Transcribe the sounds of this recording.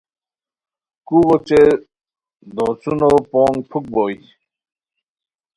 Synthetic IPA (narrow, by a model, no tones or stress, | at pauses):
kuɣot͡ɕe | d̪ɔːt͡sunopɔːŋpʰuk̚bɔj